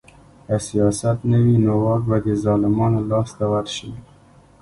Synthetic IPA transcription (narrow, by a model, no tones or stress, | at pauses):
asijɑsat̪nəwinowɑɾbad̪ezɑlɪmɑnlɑsd̪awat̪ʃəi